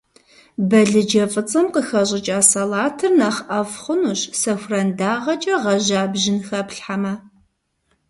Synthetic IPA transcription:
bɐɮɨd͡ʒɐfʼɨt͡sʼɐmqəxɐɕʼɪt͡ʃʼaːsɐlaːtʰɨrnaːχʔɐfχʷʊnuɕsɐxʷrɐndaːʁɐt͡ʃʼɐʁɐʑaːbʒɪnxɐpɬħamɐ

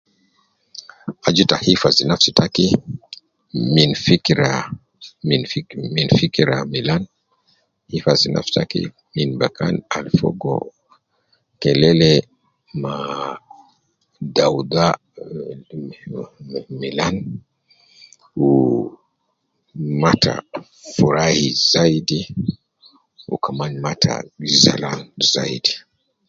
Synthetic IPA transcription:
ad͡ʒitahifazinafsitaki | minfikiɾa | minfiminfikiɾamilan | hifazina̰fsi̥takḭ | minbaka̰nalfɔ̰ɡɔ̰ | kɛlɛlɛ | ma | dawud̪a | milan | u | matʰa̰ | fuɾahizaidi | ṵkamanmatʰa̰za̰lanza̰ḭdi

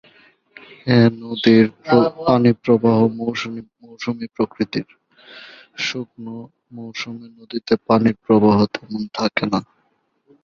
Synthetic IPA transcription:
enod̪iɾopanipɾobaɦomowʃuimowʃumipɾokɾit̪iɾ | ʃukno | mowʃumenod̪it̪epaniɾpɾobaɦot̪emont̪ʰakena

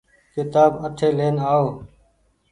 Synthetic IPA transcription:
kɪt̪aːbəʈʰeːleːnaːoː

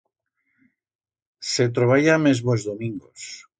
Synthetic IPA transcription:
set̪̬ɾoβajamezβozðomĩŋɡos

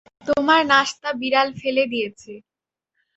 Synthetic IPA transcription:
t̪omaɾnaʃt̪abiɾalfeled̪ijet͡ɕʰe

